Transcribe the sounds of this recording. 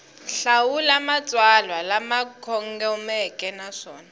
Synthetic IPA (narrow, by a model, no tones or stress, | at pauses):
ɬawulamat͡sʼwalwalamakʰɔŋɡɛumɛkʼɛnaʂɔːna